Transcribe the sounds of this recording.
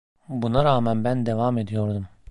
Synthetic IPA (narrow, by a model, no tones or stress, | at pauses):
bunaɾaːmænbænd̪e̞vame̞d̪ijo̞ɾd̪um